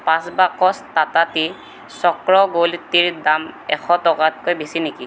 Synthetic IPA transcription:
pãsbakɔstatati | sɔkɹɔɡoltiɹdamɛ̰xʰɔtɔkat̚kojbisiniki

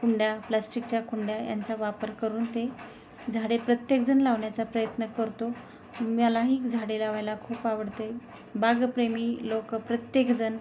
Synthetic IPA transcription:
kuɳɖjaplasʈik̚t͡ɕjakuɳɖjaja̰nt͡saʋapəɾkəɾuːnt̪e | d͡zʱaɽepɾət̪jekd͡zənlaʋɳjat͡sapɾəjət̪nəkəɾt̪o | mjalaɦiːkd͡zʱaɽelaʋajlakʰuːpaʋəɽt̪əj | baɡpɾemiːlokpɾət̪jekd͡zən

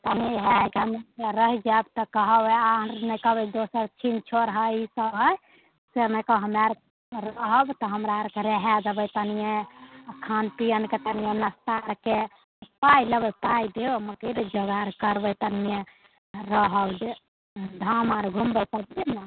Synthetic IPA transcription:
t̪ənieɦeaikeɦəmeɾəɦid͡ʒabt̪ɔkəɦəbɛanəkəbɛd̪osəɾt͡ʃʰint͡ʃʰoɾɦəisəɦəj | seɾnəjkəɦəmeɾ | ɾəɦəbt̪ɔɦəmɾaɾkeɾeɦad͡ʒəbəjt̪ənijekʰanpijənket̪ənijenəst̪aɾke | pailəbəpajd̪eoməkiɾd͡ʒəɡaɾkəɾbəjt̪ənije | ɾəɦəbd͡ʒe | d̪ʱamaɾɡʱumbəpəb̪ena

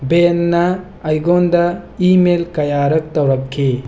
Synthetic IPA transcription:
benːɐː | jɡondɐimelkɐjaɾɐk̚tɐwɾɐkʰːi

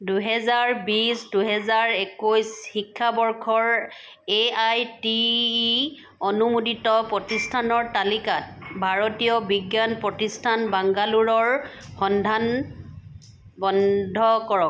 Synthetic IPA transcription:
duɦɛzaɹbisduɦɛzaɹekojshikʰːabɔɹkʰɔɹ | eajti | ɔnumuditɔpɹɔtistʰanɔɹtalikat̚bʱaɹotijɔbiɡjanpɹɔtistʰanbaŋɡaluɹɔɹ | xɔndʱan | bɔndʱɔkɔɹɔk̚

